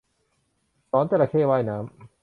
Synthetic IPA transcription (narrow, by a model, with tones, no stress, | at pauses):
sɔː˨˦nt̪ɛ˧˩la˧kʰeː˥˩waː˥˩jnaː˦˥m